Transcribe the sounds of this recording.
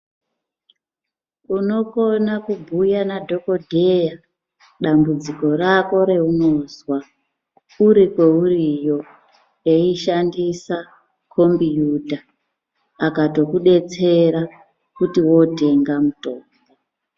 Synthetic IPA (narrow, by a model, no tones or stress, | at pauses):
uno̞konakubʱujanadʱo̞ko̞dʱeja | ɗambud͡ziko̞rako̞ɾe̞unozwa | uɾikwe̞urijo̞ | eiʃandisa | kʰo̞mbijudʱaː | kato̞kuɗe̞t͡se̞ɾa | kutiwo̞te̞ŋɡamuto̞ːmɡo